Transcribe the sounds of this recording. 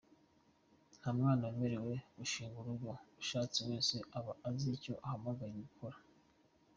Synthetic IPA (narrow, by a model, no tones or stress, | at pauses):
n̥hamŋaːnaweme̞ɾe̞we̞uʃiːŋɡuɾuɡɡouʃaːt͡siwe̞ːnse̞ʔaβaʔaziːco̞ʔahamaɡajimukoɾa